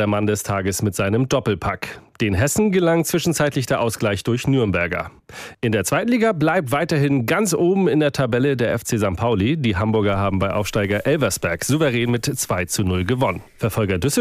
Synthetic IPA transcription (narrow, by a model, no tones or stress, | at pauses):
eɐmandɛstʰaːɡəsmɪtz̥aɪnəmdɔpl̩pʰa̰kd̥eːnɦɛsn̩ɡəlaŋt͡sv̥ɪʃn̩t͡saɪtlɪçd̥eːɐʔaʊsɡ̥laɪçd̥ʊɐçnyːɐmbɛɐɡɐ̰ | ʔɪndeːɐt͡sv̥aɪtn̩liːɡablaɪp̚tv̥aɪtɐɦɪnɡant͡sʔoːbm̩ɪndeːɐtʰabɛlədeːɐʔɛft͡seːzaŋkpʰaʊlidiːɦambʊɐɡɐɦaːbm̩baɪʔaʊfʃtaɪɡɐʔɛlvɐsb̥ɛɐkz̥uvəʁɛːnmɪtt͡sv̥aɪt͡sunʊlɡəvɔnənfɛɐfɔlɡɐdʏs̩